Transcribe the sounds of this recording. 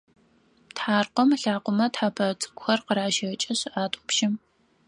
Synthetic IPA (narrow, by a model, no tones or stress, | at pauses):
tħaːrqʷəmɬaːqʷʊmɐtħaːpʰɐt͡sʼɨ̥kʷʰʼxɐrqəɾaːʃɐt͡ʃʼɐɕɪʔaːtʷʼɔpʃɪm